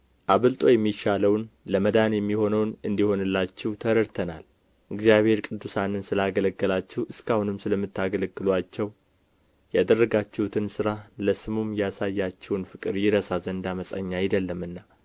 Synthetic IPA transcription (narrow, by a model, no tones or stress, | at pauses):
ʔaβəlt̪ʼo̞jɛmːiʃaləwnləməd̪anjɛmːiho̞nəwnɨnd̪iho̞nɨlːat͡ʃːɪwt̪ʰəɾəɾt̪ʰəna̰l | ʔɨɡzijaβhe̞ɾkʼɨd̪ːusanɨnsɨlaɡələɡːəlat͡ʃːɛwɨskahunɨmsɨləmːɨt̪ːaɡələɡːɨlwat͡ʃːɛw | jad̪ərːəɡat͡ʃːɛhut̪ʰɨnsɨɾaləsɨmumjasajːat͡ʃːɛwnfɨkʼɨɾjɪɾəsazənd̪aməsʼə̰ɲːajɪd̪əlːəmɨnːa